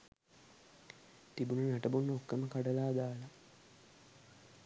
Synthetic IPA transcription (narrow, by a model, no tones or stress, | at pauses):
t̪ibunənæʈəbunːəokːəməkaɖəlaːd̪aːla